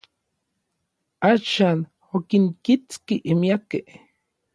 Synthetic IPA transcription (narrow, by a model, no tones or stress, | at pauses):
aːʃaːn | okiŋkit͡skiʔimiakeh